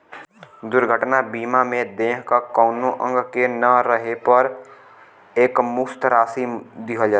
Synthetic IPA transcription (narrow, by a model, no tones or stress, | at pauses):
d̪ʊɾɡʱəʈnabiːmamẽd̪eːɦkakɔːnõʔə̃ŋɡkenəɾəɦepɐɾ | eːkmʊst̪ɾaːsid̪iɦad͡ʒa